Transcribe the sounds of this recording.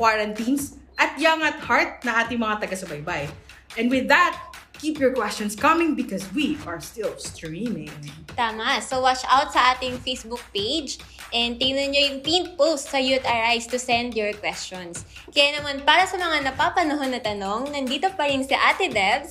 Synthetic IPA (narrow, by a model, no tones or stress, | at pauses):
kwaɹɐnt̪ĩnsʔɐt̪̚jaŋɐt̪̚haɹt̪̚nɐʔaːt̪ɪŋmɐŋat̪ɐɡasɐbajbaj | ʔɛnwɪðːɐt̪̚kipjɔɹkwɛst͡ʃɔnskɐmɪ̃ŋbɪkɔswiʔɐɹst̪ɪlst̪ɹɹimɪ̃ŋt̪aːmɐsowat͡ʃawt̪̚sɐʔaːt̪ɪŋfejsbʊk̚pejd͡ʒ | ʔɛnd̪̚t̪ɪɡnonːojʊŋp̪ĩnt̪̚post̪sɐjuɛt̪aɹʔajst̪ʊsɛ̃nd̪jɔɹkwɛst͡ʃɔns | kɐjanɐmanpaːɾɐsɐmɐŋanɐpapɐnɐɦonːɐt̪ɐno̞ŋnɐnd̪iːt̪o̞pɐɾɪnsɐʔaːt̪ɪd̪ɛbs